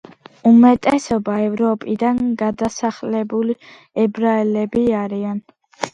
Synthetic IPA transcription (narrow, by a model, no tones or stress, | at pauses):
umɛt̪ʼɛsɔbaɛvɾɔpʼid̪anɡad̪asaχlɛbuli | ɛbɾaɛlɛbiaɾian